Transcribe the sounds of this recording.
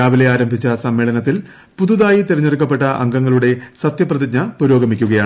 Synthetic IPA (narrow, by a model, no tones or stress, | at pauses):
aːʋile̞aːɾɐmbʱit͡ɕːɐsɐmːeːɭɐnɐt̪ːil | puðuðaːjit̪iɾɐɲːerikːɐpːe̞ʈːɐʔɐ̰ŋɡɐŋːɐɭuɽe̞sɐt̪jɐprɐðid͡ʑ̚ɲɐpuɾo̞ːɡɐmikʲːuɣɐjaːɳ